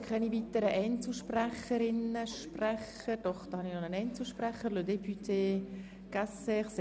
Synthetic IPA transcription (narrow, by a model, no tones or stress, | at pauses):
kʰɛnivit̪əɾəʔɛɪnt͡səʃpræχəɾɪnəʃprɛχ | əd̥ɔχd̪̥ɑːhɑnɪχnonənɛɪnt͡səʃpræχəɾludepʰytʰeː | ɡ̥asəɪχse